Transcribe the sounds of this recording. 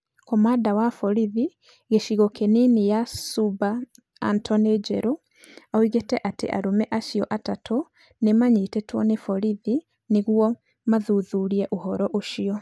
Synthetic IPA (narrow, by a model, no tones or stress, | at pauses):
kɔmaːdawafɔɾiði | ɣeʃiɣɔkʰeninijasuba̰ː | ntʰɔned͡ʒɛɾo | aoiɣetɛʔatḛʔa̰ɾomɛʔaʃiɔʔatatʰo | nemaɲetɛtwɔ̰nefɔɾiði | neɣuɔ | maðuðuɾiɛʔohɔɾɔʔoʃiɔ